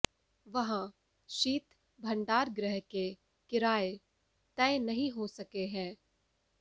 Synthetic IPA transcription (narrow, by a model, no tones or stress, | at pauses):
ʋɐɦã | ʃiːt̪ | bʱɐ̃ɳɖaːɾɡɾəɦke | kɪɾaːe | t̪ɛ̃ɪ̃nɐɦĩɦosɐkeɦɛ̃ː